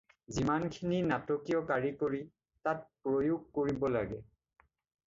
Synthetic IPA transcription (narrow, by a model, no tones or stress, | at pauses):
zimankʰininatɔkijɔkaɹikoɹi | tat̚pɹojuɡ̚koɹibɔla̰ɡɛ